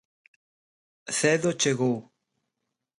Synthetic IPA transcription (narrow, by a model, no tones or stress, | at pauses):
θɛðot͡ʃeɣow